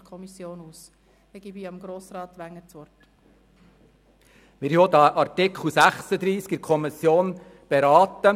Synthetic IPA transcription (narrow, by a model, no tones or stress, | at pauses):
kʰɔmisjoːnuːs | ɛɡ̥ibiɑmɡɾoːsrɑːt̪ʋæŋːət͡sʋɔrt | mɪɾjod̪ɑʔɑɾt̪ɪkχl̩sæχsəd̪ɾiːskɪɾkʰɔmisjoːn | b̥eɾɑːt̪ə